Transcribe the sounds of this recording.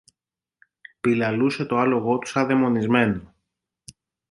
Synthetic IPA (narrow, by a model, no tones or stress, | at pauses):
pilɐluse̞t̪o̞ɐlo̞ɣo̞t̪u̥sɐðe̞mo̞nizme̞no